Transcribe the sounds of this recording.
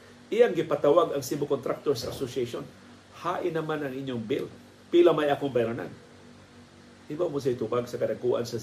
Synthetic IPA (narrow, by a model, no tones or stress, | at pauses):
ʔɪjaŋɡɪpat̪awaɡɐŋsimbʊkont̪ɾak̚t̪oɹsɐʔasosaʃon | haːʔɪnːɐmanɐŋʔɪɲjoŋbɪl | pilamajʔaːkoŋbajɾana̰n | hɪbamʊs̬ajt̪ukaɡsɐkɐdɐŋkuːʔa̰nsɐ